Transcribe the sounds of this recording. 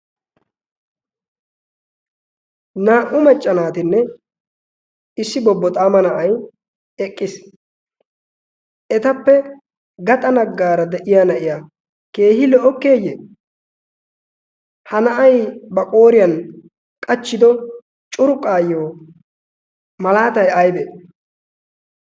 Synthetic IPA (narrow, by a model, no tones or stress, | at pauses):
naːʔʊmɐt͡ʃʼːɐnaːt̪ɪnːɛ | ɪsːɪbɔbːɔt̪ʼaːmɐnɐʔɐj | ɛkʼːɪs | ʔɛt̪ɐpːɛ | ɡɐt̪ʼɐnɐɡːaːɾɐd̪ɛʔɪjaːnɐʔɪja | ke̞ːhɪlɔʔɔkːe̞ːjḛː | hɐnɐʔɐjbɐkʼo̞ːɾɪjɐn | kʼɐt͡ʃːɪd̪ɔ | t͡ʃʼʊɾʊkʼːaːjːoː | mɐlaːt̪ɐjɐjbe